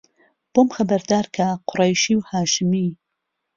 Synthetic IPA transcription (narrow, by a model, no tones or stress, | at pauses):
b̥omxɐbɐɾd̪aːɾkʰaqʰʊɾajʃiwhaːʃɨmi